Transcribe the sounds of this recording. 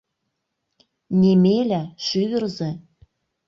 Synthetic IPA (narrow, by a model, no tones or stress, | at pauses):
nʲemelʲæʃyβɘ̆rzĕ